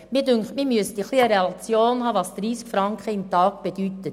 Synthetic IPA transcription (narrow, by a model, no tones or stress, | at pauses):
miːdʏŋkχtmiːmyəst̪iχliəɾeɑt͡sjoːnɦɑːvɑsd̥ɾiːskfɾɑŋkχəɪmtɑːk̚b̥edytət